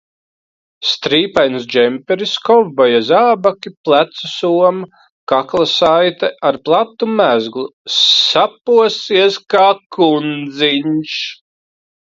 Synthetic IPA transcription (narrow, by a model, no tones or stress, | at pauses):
st̪ɾiːpajnsd͡ʒɛmpʲɛɾiskɔvbajazaːbakʲiplˠæt̪susuɔm | kaklˠasajt̪ɛʔaɾplˠat̪ːumæzɡlˠusapuɔsiɛskaːkund̪ziɲʃ